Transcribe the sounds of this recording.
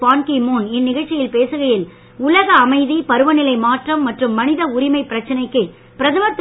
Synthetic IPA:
paːnkimuːnɪnːɪɣɐɭt͡ʃːɪjɪlpeːsɯɣɐjɪl | ʊlɐɣɐːmɐɪðipɐɾɯʋɐnɪlɐɪmaːʈrɐmːɐʈrɯmːɐnɪðɐʊɾɪmɐɪpːɪɾɐt͡ʃːɐnɐɪkːɯ | pɪɾɐðɐmɐt̪ː

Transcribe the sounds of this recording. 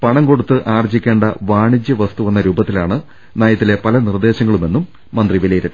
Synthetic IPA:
pɐɳɐŋko̞ɽut̪ːɨʔaːrɐt͡ɕːikʲːe̞ːɳɖɐʋaːɳid͡ʑjɐʋɐst̪uʋɐnːɐɾuːbɐt̪ːilaːɳɨ | naːjɐt̪ːile̞pɐlɐnird̪e̞ːɕɐŋːɐɭume̞nːumː | ɐnd̪riʋelijɐɾɐɾ

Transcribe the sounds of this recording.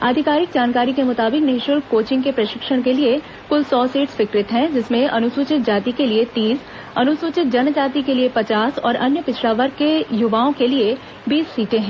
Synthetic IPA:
aːd̪ʱɪkaːɾɪkd͡ʒaːnkaːɾikemʊt̪aːbɪknɪɦɪʃʊɾkoːt͡ʃɪ̃ŋɡkepɾɐʃɪkʃəɽ̃kelie | kʊlsɔːsiːʈsʋɪkɾɪt̪ɦɛ̃d͡ʒɪsmẽʔɐnʊsuːt͡ʃɪt̪̚d͡ʒaːt̪ikeliet̪iːs | ɐnʊsʊːt͡ʃɪt̪̚d͡ʒɐnd͡ʒaːt̪ikeliepɐt͡ʃaːsɔ̰ːɾɐnjəpɪt͡ʃʰlaːʋəɾkejʊʋaːõkelie | biːsːiːʈẽɦɛ̃ː

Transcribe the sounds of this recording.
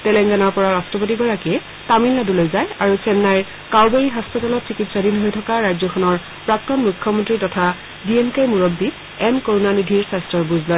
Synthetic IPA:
tɛlɛŋɡanɔɹpɔɹaɹastɹɔpotiɡɔɹakiɛ | tamilːadulojzajaɹusɛnːaj | kawbeɹiɦaspatalɔtsikitsadinɦojtʰɔkaɹajzɔxʰɔnɔɹ | pɹak̚tɔnmukʰːjɔmɔntɹitɔtʰa | biɛnkajmuɹob̚di | ɛnkoɹunanidʱiɹsastɔɹbuzlɔj

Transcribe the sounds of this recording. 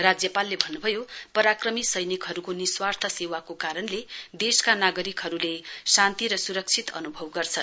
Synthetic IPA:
rad͡zjʌpalːebʱʌnːubʱʌjopʌɾakrʌmisʌjnikɦʌɾukoniswart̪ʰʌsewakokaɾʌnled̪eskanaɡʌɾikɦʌɾulesant̪iɾʌsuɾʌk̚t͡sʰit̪ʌ̰nubʱʌwɡʌrt͡sʰʌ

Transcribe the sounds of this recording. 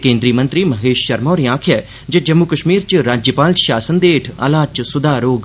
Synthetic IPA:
kẽːnd̪ɾiːmə̃nt̪ɾiːməɦeːʃʃəɾmɔ̃ːɾijãːkʰɛː | d͡ʒed͡ʒəmukəʃmiːɾt͡ʃɾaːd͡ʒjəpaːlʃaːsənd̪eːʈʰə̰laːt͡ʃsʊd̪aːɾoːɡ

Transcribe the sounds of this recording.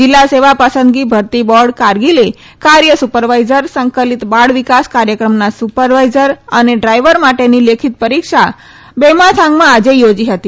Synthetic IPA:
d͡ʒilːaseʋapəsə̃nd̪ɡibʱəɾt̪ibɔɾɖkaɾɡile | kaɾjəsupəɾʋajzəɾsəŋkəlit̪baɽʋikaskaɾjəkɾəmnasupəɾʋajzəɾəneɖɾajʋəɾmaʈenilekʰit̪̚pəɾikʃa | bɛmat̪ʰãŋɡmãad͡ʒejod͡ʒiɦət̪i

